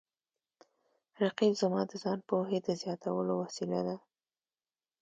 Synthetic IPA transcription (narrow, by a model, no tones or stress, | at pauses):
ɾaqibzamɑd̪əzɑnpoɦed̪əzjɑt̪ʰawəlowasila̰d̪a